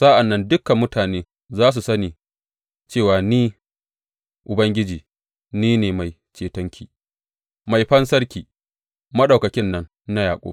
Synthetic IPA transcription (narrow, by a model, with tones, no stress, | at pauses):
sa˦ʔa˨nːɐ˦ndʊ˦kːa˨mʊ˦taː˨neː˦ | zaː˦s̬u˨sɐ˦niː˨ | t͡ʃeː˦˨waː˨niː˦ | ʔʊ˨bɐ˦ŋɡʲɪ˦d͡ʒiː˨ | niː˦neː˨ma˨j | t͡ʃeː˨tɐ˦ŋkʲʰiː˨ | ma˨jɸɐ˦nsɐ˦ɽkʲiː˨ | mɐ˦ɗɐ˨kɐ˨kʲɪ˦nːɐ˦nːa˦jaː˨kʷʼo̰˦